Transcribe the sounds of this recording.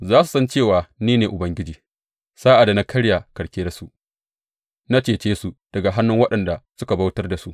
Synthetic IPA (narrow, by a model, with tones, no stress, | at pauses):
zaː˦su̥˨sɐ˦nt͡ʃeː˦˨waː˨niː˦neː˨ʔʊ˨bɐ˦ŋɡʲɪ˦d͡ʒiː˨ | saː˦ʔa˨da˨na˦kʰɐ˦ɽja˨kɐ˨ɽkʲeː˦da˦˨su˦ʔ | na˦t͡ʃeː˨t͡ʃeː˦su˨d̥ɐ˨ɡa˨ɦa˦nːʊ˦ŋwɐ˦ɗɐ˨nda˨sʊ˦ka˨ba˦wtɐ˦rda˨su˦ʔ